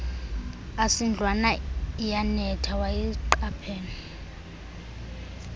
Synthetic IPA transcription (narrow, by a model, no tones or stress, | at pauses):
asind͡ɮʱwanaijanɛtʰawajiǃapʰeːni